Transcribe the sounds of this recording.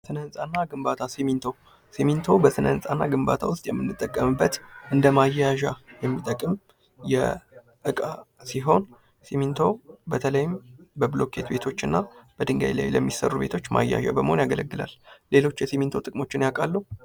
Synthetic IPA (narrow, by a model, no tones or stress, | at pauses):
sɨnənsʼanːaɡɨmbat̪ʰasemint̪ʰo̞ | semint̪ʰo̞bəsɨnənsʼanːaɡɨmba̰t̪ʰawʊst̪ʼjɛmːɨnːɨt̪ʼːəkʼːəmɨbːət̪ʔɨnd̪əmajaʒajɛmːit̪ʼːəkʼːɨm | jɛ̰ | ʔɨkʼasiɦo̞n | simint̪ʰo̞bət̪ʰələjɪmbəblo̞kʰet̪be̞t̪ʰo̞t͡ʃːɨnːab̥əd̪ɨŋɡa̰jla̰jləmːisə̰rːube̞t̪ʰo̞t͡ʃːma̰jːa̰ʒa̰bəməho̞njaɡələɡːɨla̰lle̞lo̞t͡ʃːjɛsimint̪ʰo̞t̪ʼɨkʼmo̞t͡ʃːɪnjakʼalːu